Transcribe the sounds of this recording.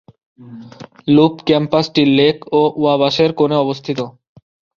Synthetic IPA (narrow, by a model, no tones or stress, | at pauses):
lupkɛmpasʈilːekoʔuabaʃeɾkoneɔbost̪ʰit̪o